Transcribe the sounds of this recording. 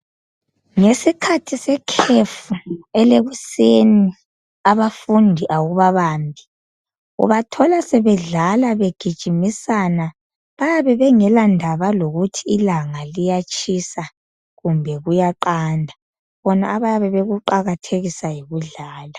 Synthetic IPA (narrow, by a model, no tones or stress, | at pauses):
ŋesikʰatʰisɛkʰefuɛleɣuseni | aβafundʱiʔaɣuβaβaːmbʱi | ṵβatʰɔlasɛβɛɮalaβeɡ̥ʱid̥ʒ̥ʱimisana | βajaβɛβɛŋɛlandʱaβaloɣutʰiːlaŋalijat͡ʃʰʼisa | ɣumbʱɛɣujaǃandʱa | βɔna̰ːβajaβɛβeɣuǃaɣatʰeɣisajiɣuɮaːla